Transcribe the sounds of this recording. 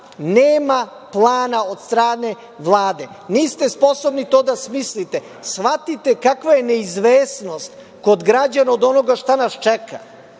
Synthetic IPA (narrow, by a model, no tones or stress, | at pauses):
neːma | plˠaːnao̞d̪st̪ɾaːne̞ | ʋlˠaːd̪e̞ | niːst̪espo̞so̞bnit̪o̞ːd̪asmislit̪e | sfat̪it̪e̞kakʋajeneizʋeːsno̞st̪ | ko̞d̪ɡɾad͡ʑanaod̪o̞no̞ɡaʃt̪anast͡ʃɛka̰